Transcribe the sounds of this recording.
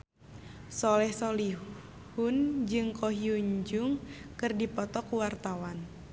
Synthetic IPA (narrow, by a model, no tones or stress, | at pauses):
sɔlɛhsɔli | hund͡ʒɨŋkɔɦiuɲd͡ʒʊŋkɨrdipɔt̪ɔkuwart̪awan